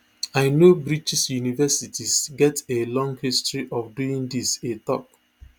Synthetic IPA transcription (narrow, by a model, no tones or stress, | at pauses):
aɪnobɹit͡ʃisjunivɛsitʰisɡɛtelɔ̃ŋɡhistɹiʔɔfduĩŋdisetɔ̰k̚